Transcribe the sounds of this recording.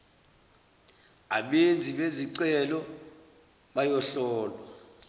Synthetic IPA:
aɓend͡zʱiɓeziǀɛlɔ | ɓajɔɬɔːlwa

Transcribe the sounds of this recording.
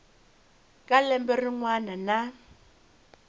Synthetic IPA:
kʼalɛmbɛrɪŋwanana

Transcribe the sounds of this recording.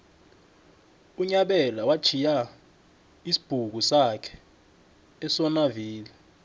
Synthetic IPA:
uɲaɓɛlawḁt͡ʃʰija | isi̥b̥ʱuk̬usakʰɛ̥ː | sɔnaviːlɛ

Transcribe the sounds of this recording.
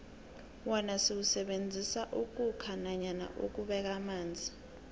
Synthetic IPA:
wɔnasiwusɛɓend͡zʱisaʔuk̬ʼukʰanaɲana̰ʔuk̬uɓɛk̬amaːnd͡zʱi

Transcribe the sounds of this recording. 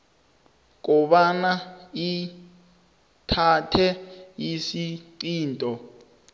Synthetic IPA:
k̬ɔɓanai | tʰatʰɛjisiǀiːntʼɔ

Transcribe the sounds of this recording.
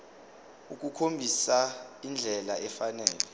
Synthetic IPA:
uk̬ʼukʰombʱisaind͡ɮʱɛlaɛfanɛːlɛ

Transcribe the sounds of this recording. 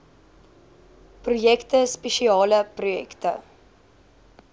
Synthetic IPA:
prujɛktəspeʃiɑːləprujɛktə̰

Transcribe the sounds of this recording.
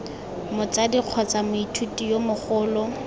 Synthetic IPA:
mʊt͡sadiq͡χʰɔt͡samʊitʰutʼijomʊχʊːlɔ

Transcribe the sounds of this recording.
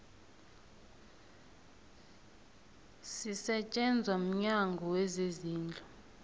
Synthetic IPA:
sisɛt͡ʃʼɛnd͡zʱwam̩ɲaŋɡʱɔwezeziːnd͡ɮʱɔ

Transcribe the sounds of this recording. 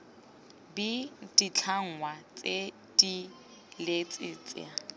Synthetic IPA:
bidit͡ɬʰaŋ̩wat͡sʼe | di | let͡sʼɪt͡sʼɪ̰a

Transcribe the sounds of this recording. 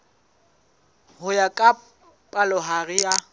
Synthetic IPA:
hʊjakʼa | pʼalʊɦaɣɪja

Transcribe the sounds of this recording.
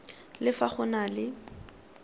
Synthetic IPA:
lɪfaχʊnalɪ

